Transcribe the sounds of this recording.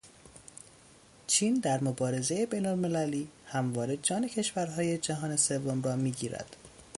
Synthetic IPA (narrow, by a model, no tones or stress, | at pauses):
t͡ʃʰiːnd̪æɾmobɒːɾe̞ze̞jebejnolme̞læliːhæmvɒːɾe̞d͡ʒɒːne̞cʰe̞ʃvæɾɦɒːje̞d͡ʒæɦɒːne̞se̞vːo̞mɾɒːmiːɟiːɾæ̰d̪̥